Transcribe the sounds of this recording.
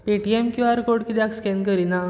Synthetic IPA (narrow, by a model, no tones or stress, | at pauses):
piʈiemkjuaɾkoɽkit̪eakskɛnkəɾina